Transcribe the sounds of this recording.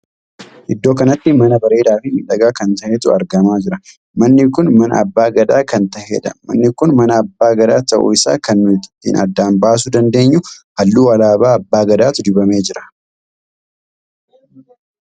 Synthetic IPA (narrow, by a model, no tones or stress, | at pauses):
ʔɪd̪ːo̞ːkɐnɐt̪ːɪmɐnɐbɐɾe̞ːd̪aːfɪɪᶑɐɡaːkɐnt̪ɐheːt̪ʊɐɾɡɐmaːd͡ʒɪɾɐ | mɐnːɪkʊnmɐnɐ̰ːbːaːɡɐd̪aːkɐnt̪ɐheːᶑ̪ɐ̰mɐ̰nːɪkʊnmɐnɐːbːaːɡɐd̪aːt̪ɐʔʊ̰ɪsa̰ːkɐnːʊɪt̪ɪ̥t̪ːḭːnʔɐ̰d̪ːaːnbaːs̬ʊd̪ɐnd̪e̞ːɲːʊhɐlːuːɐlaːbaːɐbːaːɡɐd̪aːt̪ʊd̪ɪbɐme̞ːd͡ʒɪɾɐ̥